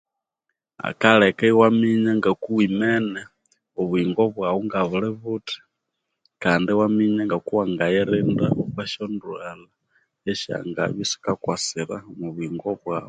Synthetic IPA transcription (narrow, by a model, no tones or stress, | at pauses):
a̰kalɛkaiwamiɲaŋɡakuwimɛnɛ | uβuiŋɡɔβwawuŋɡaβulɛβuti̥ | kandiwamiɲaŋɡakuwaŋɡajɛɾinda̰ʔukwaʃɔnduɛla | ɛʃa̰ŋɡa̰βisi̥kakwasiɾa̰muβuiŋɡɔβwaːβu